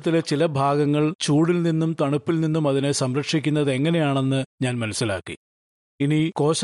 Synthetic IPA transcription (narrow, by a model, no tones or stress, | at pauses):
t̪ːilet͡ɕilɐbʱaːɡɐŋːɐɭt͡ɕuːɽilninːumt̪ɐɳupːilninːumɐðine̞sɐmɾɐkʂikʲːunːɐðɨe̞ŋːɐne̞jaːɳe̞nːɨɲaːnmɐnusːila̰ːkːḭ | iniko̞ːɕ